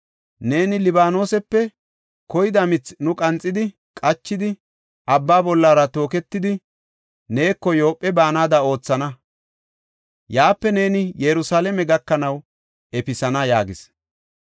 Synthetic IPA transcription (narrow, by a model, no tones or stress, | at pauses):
ne̞ːnɪlɪbaːno̞ːsɛpːɛ | kɔjɪd̪ɐmɪt͡snʊkʼɐnt͡sʼːɪd̪ɪ | kʼɐt͡ʃːɪd̪ɪ | ʔɐbːaːbɔlːaːɾɐt̪o̞ːkɛt̪ːɪd̪ɪ | ne̞ːkːɔjo̞ːpʼːɛbaːnaːd̪ɐo̞ːt͡sːɐnɐ | jaːpːɛne̞ːnɪjɛɾʊsaːlɛmɛɡɐkːɐnɐw | ɛpɪsɐnɐjaːɡɪs